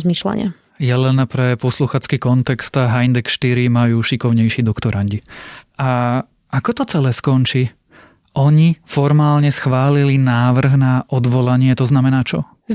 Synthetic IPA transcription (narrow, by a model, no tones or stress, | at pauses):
zmiːʃla̰ɲɪ̰a̰ | jɛlɛnpɾɛpɔsluxaːt͡skikɔnt̪ɛkst̪aɦajnd̪ɛkʃt̪iɾimajuːʃikɔʊɲɛjʃid̪ɔkt̪ɔɾanɟia | akɔt̪ɔt͡sɛlɛːskɔnt͡ʃiː | ʔɔɲifɔɾmaːlɲɛsxʋaːlilinaːʋr̩ɣnaʔɔd̪ʋɔlaɲɪɛt̪ɔznamɛnaːt͡ʃɔ